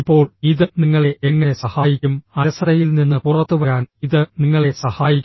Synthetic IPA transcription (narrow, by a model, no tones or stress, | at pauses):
ipːo̞ːɭiðɨniŋːɐɭe̞ʔeŋːɐne̞sɐhaːjikʲːumɐɾɐsɐrɐjilninːɨpurɐt̪ːuʋɐɾaːniðɨniŋːɐɭe̞sɐhaːjikʲː